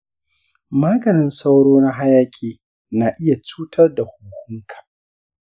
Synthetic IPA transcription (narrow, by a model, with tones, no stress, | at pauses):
maː˦ɡɐ˨nɪ˨nsa˦wɽoː˦na˦ɦa˦jaː˦kʲʼeː˨ | naː˨ʔɪ˦ja˨t͡ʃuː˦tʰɐ˦rda˨hʊ˨kʷʊ˦ŋkʰḁ˨